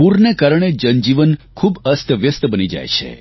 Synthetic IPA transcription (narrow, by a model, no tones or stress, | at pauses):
puɾnekaɾɳ̃ed͡ʒənd͡ʒiʋənkʰubəst̪ʰəʋjəst̪əbənid͡ʒa̰jt͡ʃʰḛ